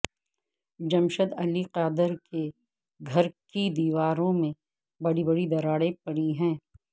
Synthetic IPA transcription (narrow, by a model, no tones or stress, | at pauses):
d͡ʒɐmʃəd̪ɐliqaːd̪əɾke | ɡʱɐɾkid̪iːʋaːɾõmẽ | bɐɽibɐɽid̪ɐɾaːɽepɐɽiɦɛ̃ː